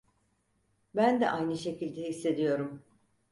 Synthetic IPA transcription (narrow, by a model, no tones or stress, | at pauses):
bænd̪ɛ̰ʔajnɯʃe̞cilʲd̪ɛɦisːe̞d̪ijo̞ɾum